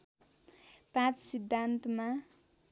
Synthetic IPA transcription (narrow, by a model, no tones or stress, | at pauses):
pãt͡ssid̪ʱːant̪ma